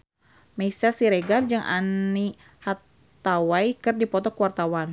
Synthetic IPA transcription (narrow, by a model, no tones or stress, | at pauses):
meisasiɾeɡard͡ʒɨŋʔa̰ni | hat | t̪awaijkɨrdipɔt̪ɔkuwart̪awan